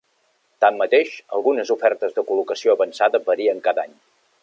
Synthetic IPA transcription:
t̪amːət̪eʃə̰lˠɣunəzufɛrt̪əzðəkulukəsioəβənsaðəbəɾiəŋkaðaɲ

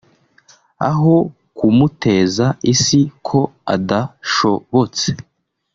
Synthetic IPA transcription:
a̰ɦo̞ | kumute̞ːzaisikʰo̞a̰daʃo̞βo̞t͡se̞̥

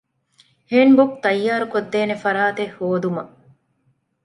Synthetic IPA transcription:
heːnbok̚t̪ɐjːaːɾukod̪ːeːnefɐɾaːt̪ehoːd̪umɐ

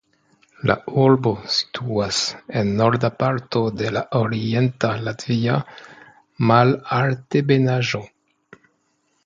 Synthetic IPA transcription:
la̰uɾbo̞si̥tʰuasenːoɾdapaɾtode̞laʔoɾientalatvia | malaltebenaʒo

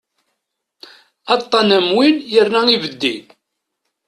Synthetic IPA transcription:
ɑt̪ˤːɑnæmwinjəɾnæivəd̪ːin

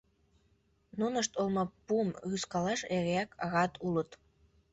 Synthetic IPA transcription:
nunəʃt̪olmɑpumɣyskɑlɑʃeɣeækʰɑɣɑt̪ʰulət̪

